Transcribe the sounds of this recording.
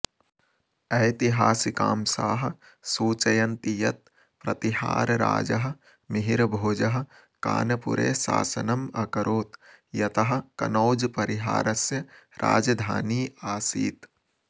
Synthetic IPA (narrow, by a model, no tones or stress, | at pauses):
ɐjt̪iɦaːsika̰ːmsaːɦɐ̆ | suːt͡ʃɐjɐnt̪ijɐt̪̚ | pɾɐt̪iɦa̰ːɾɾa̰ːd͡ʒɐɦɐ̆ | miɦiɾɐbʱoːd͡ʒɐɦɐ̆ | ka̰ːnɐpṵɾḛːsa̰ːsɐ̰nɐmɐkɐɾoːt̪jɐt̪ɐɦɐ̆kɐnoːd͡ʒpɐɾiɦa̰ːɾɐsjɐɾa̰ːd͡ʒɐd̪ʱaːniːaːsḭːt̪